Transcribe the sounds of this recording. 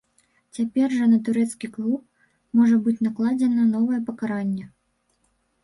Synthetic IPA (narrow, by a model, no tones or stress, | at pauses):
t͡sʲapʲɛrʐɐnɐt̪̬uɾɛt̪skʲiklˠup̚ | mɔʐɐbɨt͡sʲnaklˠad͡zʲɛnɐnɔvɐjɛpɐkaɾanʲːɛ